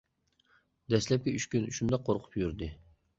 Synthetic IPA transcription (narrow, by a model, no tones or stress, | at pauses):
d̪ɛslɛp̚kʲiyʃkʲynyʃumd̪ɑqʰːoɾqʰʊ̥pjyɾd̪ɪ